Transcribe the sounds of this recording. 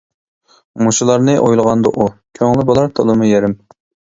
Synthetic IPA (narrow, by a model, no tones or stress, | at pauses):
muʃulˠɑɾnɨʔojlˠʁɑnd̪ɨʔukʲʰøŋlˠɪbolˠɑɾt̪ʰolˠɨmujɛɾɪm